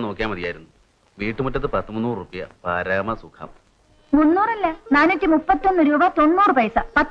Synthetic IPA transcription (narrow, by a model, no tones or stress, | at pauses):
no̞ːkːijaːmɐðijaːjiɾunːu | ʋiːʈːɨmutːɐt̪ːɨpɐt̪ːɐmunːuːrrupːɐjɐ̰paːɾaːmɐsukʰɐ̰ːm | onːuːrɐlːɐnaːnːutʲːimupːɐt̪ːio̞nːɨɾuːbɐt̪o̞nːuːrɨpɐjsɐpɐt̪ː